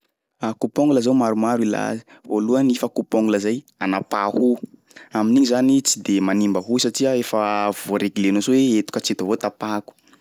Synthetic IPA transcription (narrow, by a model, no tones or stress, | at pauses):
akupoŋɡuləzawmaɾumaɾila̰zi̥voluanifəkupoŋɡuləzaj | anapahu | aminiɲizanit͡sid̪emanimbəɦusaʈ͡ʂiəefavoɾeɡilenozoweet̪u̥kəat͡set̪avot̪apaku̥